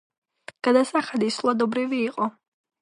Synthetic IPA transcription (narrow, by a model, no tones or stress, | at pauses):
ɡ̥ad̪asaχad̪islˠad̪ɔbɾiviːqʼɔ